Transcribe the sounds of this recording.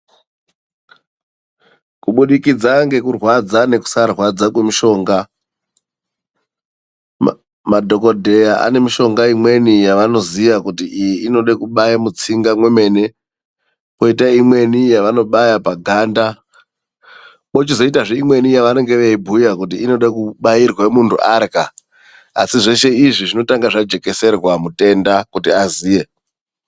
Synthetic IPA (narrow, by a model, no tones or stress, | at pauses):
kuɓuɗikid͡zaŋɡe̞kurwad͡zane̞ku̥sarwad͡zakwe̞miʃo̞ːŋɡa | madʱo̞ko̞dʱe̞jaʔa̰ne̞miʃo̞ŋɡaimwe̞nijaʋano̞ziʋakutiʔijiʔino̞ɗekuɓajamut͡siŋɡamwe̞me̞ːne̞ | po̞itaimwe̞nijaʋano̞ɓajapaɡʱanda | mot͡ʃizoitaʐeimwe̞nijaʋane̞ŋɡe̞ʋeibʱujakut̬iːno̞ɗakuɓairwemuntʰuʔarka | asiʐe̞ʃe̞iʐiʐino̞taŋɡaʐad͡ʒe̞ke̞se̞rwamute̞ndakutiaziːje̞